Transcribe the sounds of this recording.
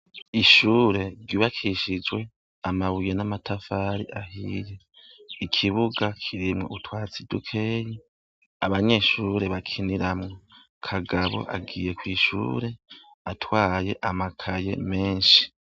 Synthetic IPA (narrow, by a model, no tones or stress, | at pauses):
iʃuːɾe̞ɡiβakʰiʃid͡ʒwe̞ | amaβujenamatʰafaːɾiʔahiɾe | ikʰiβuɡakʰiɾimŋḛutwaːt͡sidukʰe̞ːji | aβaɲe̞ːʃuːɾe̞βakʰiniɾamŋo | kʰaɡaβo̞̰ʔa̰ɡiːje̞kwiːʃṵːɾe̞ | atwaːje̞ʔamakʰaje̞̰me̞ːnʃi̥